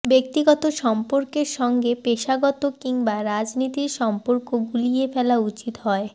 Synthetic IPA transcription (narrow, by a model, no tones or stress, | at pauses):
bek̚t̪iɡɔt̪oʃɔmpoɾkeɾʃɔŋɡepeʃaɡɔt̪okiŋbaɾad͡ʑnit̪iɾʃɔmpoɾkoɡulijefɛlaut͡ɕit̪ɦɔe